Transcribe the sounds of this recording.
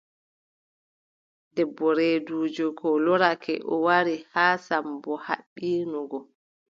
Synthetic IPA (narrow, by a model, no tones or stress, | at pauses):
dɛbːɔɾeduːd͡ʒɔkʰɔlɔɾakʰɛʔɔwaɾihaːsambɔha̰ɓːiːnɔɡɔ